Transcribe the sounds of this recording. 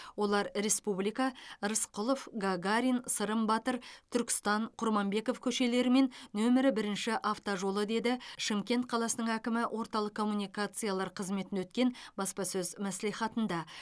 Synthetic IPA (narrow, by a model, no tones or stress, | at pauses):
wo̞lˠɑɾɾe̞spublijkɑɾəsqʰʊlˠofɡaɡaɾʲijnsəɾəmbɑt̪əɾt̪ʰʏɾkʲɪ̥st̪ɑɴqʰʊɾmɑmbe̞ko̞fkʲʰɵʃe̞le̞ɾɪme̞nnːɵmɪɾɪbɪɾɪnʃɪʔaft̪oʒo̞lˠəd̪e̞d̪ɪʃɪmkʲe̞nt̪̚qʰɑlˠɑsənəɴækʲɪmɪwʔo̞ɾt̪ɑlˠəqkʰːo̞mːunʲijkat̪sɨjalˠɑɾqʰəzme̞t̪ɪnwɵt̪̚kʲe̞nbɑspɑsɵzmæsliχɑt̪ənd̪ɑ